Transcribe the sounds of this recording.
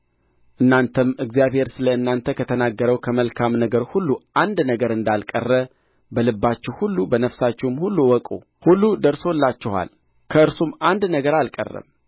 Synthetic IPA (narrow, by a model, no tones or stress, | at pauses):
ʔɨnːant̪ʰəmɨɡzijaβhe̞ɾsɨləɨnːant̪ʰəkʰət̪ʰənaɡːəɾəwkʰəməlkʰamnəɡəɾhulːuʔand̪nəɡəɾɨnd̪alkʼə̰rːə | bəlɨbːat͡ʃːɪwhulːubənəfsat͡ʃːɪwmhulːuwɔkʼṵ | hulːud̪əɾsolːat͡ʃːɪha̰l | kʰəɨɾsumand̪nəɡəɾalkʼə̰rːə̰m